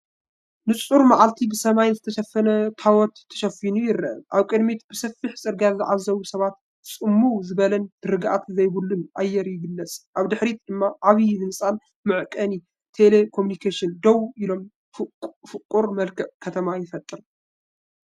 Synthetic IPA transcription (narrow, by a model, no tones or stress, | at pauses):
nɨt͡sʼuɾmaʕalt̪ʰibɨsɐmajzɨt̪ʰɐʃɐfːɐnɐt̪ʰawɔt̪ʰːɐ̥ʃɐfinujɪɾɐʔʔaβkʼɨd̪mit̪b̥ɨsɐfːiħt͡sʼɨɾɡazɨʕazːɐβusɐβat̪ | t͡sʼɨmːuzɨβɐlɐnd̪̥ɨɾɨɡʔa̰t̪zɐjbulːɨnʔajːɛɾjɪɡɨlːɐt͡sʼʔaβd̪ɨħɾid̪ɨmːaʔaβijhɨnsʼan | mɨʕkʼɐni | t̪ʰele̞kʰomunikʰeʃɨnd̪ɐwilo̞m | fʼfɨkʼuɾmɐlkʰɐʔkʰɐt̪ʰɐmajɪfɐt̪ʼɨɾ